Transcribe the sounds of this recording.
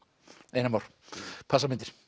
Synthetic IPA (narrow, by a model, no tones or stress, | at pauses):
eːjnamawɾ̥ | pʰasamɪnt̪ɪɾ̥